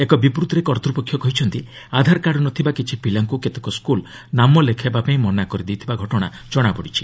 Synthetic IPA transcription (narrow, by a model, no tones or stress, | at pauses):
ekɔbipɾut̪ɾekɔɾt̪ɾupɔkʰːjɔkɔɦit͡ʃʰɔnt̪i | ad̪ʱaɾkaɽɔnɔt̪ʰibakit͡ʃʰipilaŋkuket̪ekɔskul | namɔlekʰebapaĩmɔnakɔɾid̪it̪ʰibaɡʱɔʈɔɽ̃a̰ | d͡ʒɔɽ̃abɔɽit͡ʃʰi̥